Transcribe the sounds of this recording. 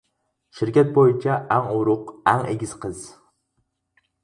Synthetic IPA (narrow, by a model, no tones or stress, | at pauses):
ʃɪɾkʲat̪̚bojɪt͡ʃʰaʔaŋʊɾʊqaŋḛɡʲɪz̥qʰɨz